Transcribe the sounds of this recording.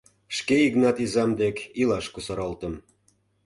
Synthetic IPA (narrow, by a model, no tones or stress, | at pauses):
ʃkeiɣnɑt̪izɑmd̪ekilɑʃkusɑɾɑlt̪əm